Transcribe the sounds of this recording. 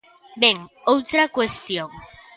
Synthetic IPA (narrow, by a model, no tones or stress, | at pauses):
beŋowt̪ɾakwest̪joŋ